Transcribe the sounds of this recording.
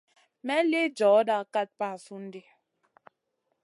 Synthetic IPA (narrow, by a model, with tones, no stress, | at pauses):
mɛ˦le˦d͡ʒɔ˨˦da˦ka˦t̚pa˦˨su˦n̩˦di˦